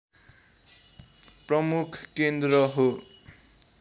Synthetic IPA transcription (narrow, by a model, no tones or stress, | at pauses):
prʌmukʰkend̪rʌɦo